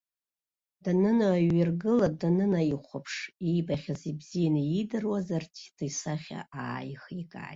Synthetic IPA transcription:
d̥anɨnaːɥarɡɨladanɨnaiχʷapʰʂijbaχʲazibzijanaidɨrwazartʰidʰasaχʲa̰aːjxikʼa̰ːjt

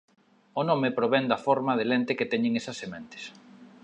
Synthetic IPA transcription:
onomɪpɾoβɛnd̪ɐfɔɾmɐðelent̪eket̪ɛɲɪ̃ŋesɐsːemẽnt̪ɪ̥s

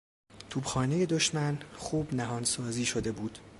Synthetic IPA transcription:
t̪ʰuːbxɒːne̞je̞d̪o̞ʃmænxuːbnæɦɒːnsɒːziːʃo̞d̪e̞buːd̪̥

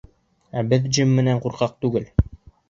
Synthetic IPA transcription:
æbɘðd͡ʒɘmːɘ̆næɴquɾqɑq̚t̪ʉɡɘl

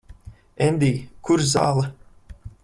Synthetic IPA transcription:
ɛnd̪iːkuɾza̰ːlˠɨ

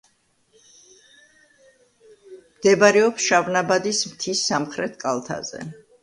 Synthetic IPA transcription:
md̪̥ɛbaɾɛɔpsʃavnabad̪ismt̪ʰisːamχɾɛt̪ʰkʼalˠt̪ʰa̰zɛ̰

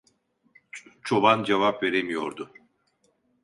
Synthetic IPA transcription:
t͡ʃʰo̞band͡ʒevapve̞ɾemijo̞̰ɾd̪ʊ

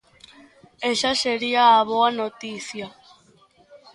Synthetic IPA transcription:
esaseɾiaːβoanot̪iθja

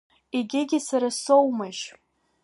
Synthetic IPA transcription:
eɡʲɪɡʲɪsaɾasowmaʒ

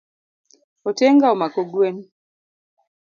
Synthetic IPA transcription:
ɔteŋɡaomakoɡwen

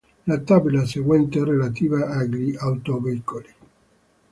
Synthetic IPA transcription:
lat̪ːabilaseɡwɛnt̪erelat̪iːvaaɡɾiawt̪oveikoli

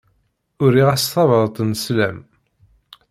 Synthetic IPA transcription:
ʊɾiʁast̪ˤːɑvəðˤt̪ˤnslæm

